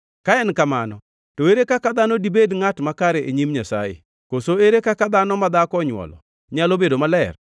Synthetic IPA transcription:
kaɛnkamanɔ | toeɾekakad̪anɔdibedŋatmakaɾeʔeɲimɲasa̰jḛ | kosoeɾekakad̪anɔmad̪akɔɲwɔ̰lɔ̰ | ɲalobedomalɛr

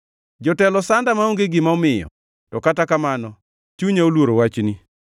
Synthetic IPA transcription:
d͡ʒɔtɛlɔsandamaoŋɡeɡɪmaɔmɪjɔ̰ | tɔkatakamanɔ | t͡ʃuɲaolwoɾowat͡ʃni

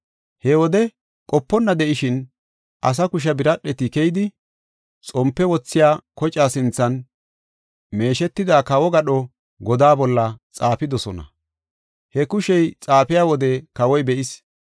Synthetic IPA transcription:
hɛwɔd̪ɛ | kʼɔpːɔnːɐd̪ɛʔɪʃɪn | ʔɐ̰s̬ɐkʊʃ̬ɐbɪɾɐɗːɛt̪ɪkɛjd̪ɪ | t͡sʼɔmpːɛwɔt͡sːɪjaːkɔt͡ʃʼaːsɪnt͡sːɐn | me̞ːʃɛt̪ːɪd̪aːkɐwɔɡɐɗɔ | ɡɔd̪aːbɔlːɐt͡sʼaːpɪd̪ɔsɔnɐ̰ | hɛkʊʃɛjt͡sʼaːpɪjaːwɔd̪ɛkɐwɔjbɛʔɪs

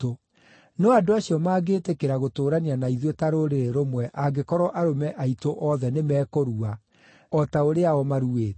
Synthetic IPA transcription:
o | nɔadoaɕiɔmaːɡeːtekeɾaɣotoːɾanianaiðwetaɾoɾeɾeɾomwɛʔaɡekɔɾɔʔaɾomɛʔaitoʔɔðɛnemɛːkoɾua | ɔtaoɾeaɔmaɾueːt

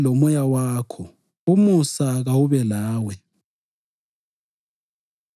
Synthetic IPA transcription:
lomɔjawaːkʰɔ | umusaɣawuβɛlaːwɛ

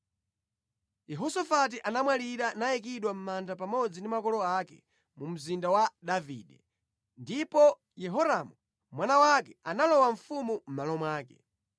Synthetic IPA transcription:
jɛɦɔsɔfat̬iʔanamwaliɾanajikiɗwam̩mandapamɔd͡zindimakɔlɔakɛ̰ | mum̩zindawaɗavḭɗɛ | ndipɔ | jɛɦɔɾamu | mwanawakɛanalɔwaɱ̩fumum̩malɔmwaːkɛ̰

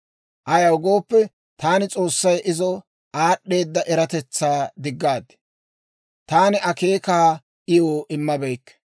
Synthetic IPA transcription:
ʔɐjɐwɡo̞ːpːɛ | t̪aːnɪt͡sʼo̞ːsːɐjʔɪzɔ | aːɗːe̞ːd̪ːɐʔɛɾɐt̪ɛt͡sːaːd̪ɪɡːaːd̪ | t̪aːnɪʔɐke̞ːkaː | ʔɪjoːʔɪmːɐbɛjkː

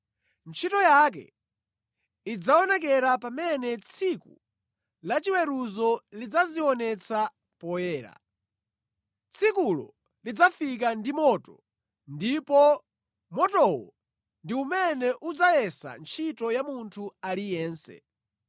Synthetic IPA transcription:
nt͡ʃʰitɔjak̬ɛ̰ | id͡zaɔnɛk̬ɛɾapamɛnɛt͡sʰikṵ | lat͡ʃiwɛɾuzɔlid͡zaziɔnɛt͡sʰa | pɔjɛːɾa̰ | t͡sʰikulɔ̰ | lid͡zafik̬andimɔːtɔ | ndipɔ | mɔtɔwɔ̰ | ndiumɛnɛʔud͡zajɛsa̰nt͡ʃʰitɔjamuntʰualijɛːnsɛ̰

